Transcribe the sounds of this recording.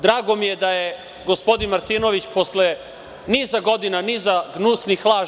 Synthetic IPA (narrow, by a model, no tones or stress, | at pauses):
d̪ɾaːɡo̞mijed̪aje | ɡo̞spo̞d̪inmaɾt̪iːno̞ʋit͡ɕpo̞sle | nizaɡo̞d̪inanizaɡnusnixlˠaː